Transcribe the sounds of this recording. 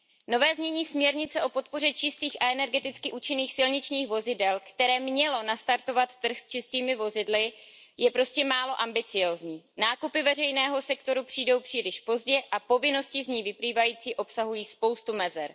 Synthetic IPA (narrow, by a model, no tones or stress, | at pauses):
no̞vɛːzɲɛɲiːsmɲɛɾɲɪt͡sɛʔo̞po̞t̪po̞r̝ɛt͡ʃɪst̪iːxʔaɛnɛɾɡɛt̪ɪt͡skɪʔuːt͡ʃɪniːxsɪlɲɪt͡ʃɲiːxvo̞zɪdɛlkt̪ɛɾɛːmɲɛlo̞nast̪aɾt̪o̞vat̪ːr̩xst͡ʃɪst̪iːmɪvo̞zɪdlɪjɛpɾo̞scɛmaːlo̞ʔambɪt͡sɪjo̞ːzɲiːnaːkupɪvɛrɛjnɛːɦo̞sɛkt̪o̞ɾupr̥iːdo̞wpr̝̥iːlɪʃpo̞zɟɛʔapo̞vɪno̞scɪzɲiːvɪpliːvajiːt͡siːʔo̞psaɦujiːspo̞wst̪umɛzɛɾ